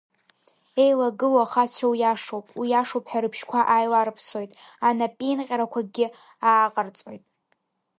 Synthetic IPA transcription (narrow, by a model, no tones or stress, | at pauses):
ejlaɡɨlaaχasawjaʂowpʼwijaʂowpʼħaɾɨpʰʃkʷʰaʔajlaɾɨpʰso̞jtʼanapʼinqʲʼaɾakʷʰaɡʲɪ | aːqʼart͡sʼo̞̰jtʼ